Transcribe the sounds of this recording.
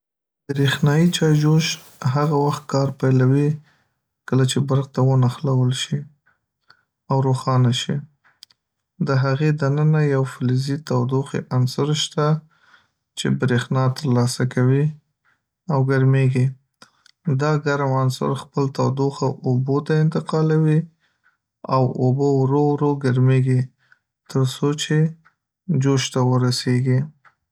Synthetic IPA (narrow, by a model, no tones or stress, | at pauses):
b̪ɾexnɑjit͡ʃɑjd͡ʒoʃ | ɦaɣawaxt̪̚kɑɾpajlawi | kəlat͡ʃebaɾɣt̪awənaxlawəlʃi | awɾoxɑnaʃi | d̪əɦaɣed̪anənajawflizit̪awd̪oxḛʔansəɾʃt̪a | t͡ʃḛbɾexnɑt̪əɾlɑsakawi | awɡaɾmeɡi | d̪ɑɡaɾmansa̰ɾxpəlt̪awd̪oxaʔobot̪aɪnt̪ɪqɑlawi | awobowɾowɾoɡaɾmeɡi | t̪əɾsot͡ʃe | d͡ʒoʃt̪awəɾaseɡi